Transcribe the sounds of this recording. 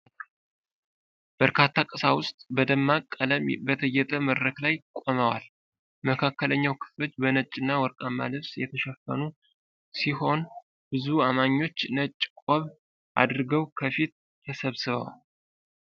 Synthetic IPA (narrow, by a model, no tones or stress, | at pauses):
b̥əɾkʰat̪ʰːakʼəsawʊst̪ʼbəd̪əmːakʼːələmbət̪ʰəjːɛt̪ʼəməd̪ɾəklajkʼoməwa̰l | məkʰakːələɲːawkʰɨ̥flo̞t͡ʃːbənət͡ʃʼːɨnːawɔɾkʼamːa̰lɨβsjɛt̪ʰəʃɛfːə̰nu | siho̞n | bɨzuamaɲːo̞t͡ʃːnət͡ʃʼːkʼoβ | ʔa̰d̪ɾɡəwkʰəfit̪̚ | t̪ʰəsəβsɨβə̰wa̰l